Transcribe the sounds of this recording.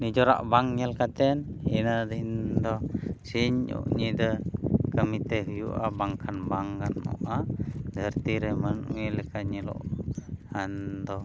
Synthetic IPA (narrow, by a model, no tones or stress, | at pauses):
nid͡ʒoɾa̰ʔbaŋjalkat̪ɛninədəɦind̪osiɲṵʔɲidəkamit̪eɦujuʔabaŋkʰanbaŋɡanṵʔadəərt̪iɾemənwilekaɲilo̰ʔhand̪o